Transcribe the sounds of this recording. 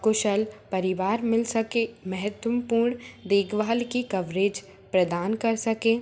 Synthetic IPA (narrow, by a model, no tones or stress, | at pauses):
kʊʃəlpɐɾɪʋaːɾmɪlsɐkemɛɦət̪wəpuːɾɳd̪eːɡʋaːlkikɐʋɾeːd͡ʒ | pɾɐd̪aːnkɐɾsɐkẽː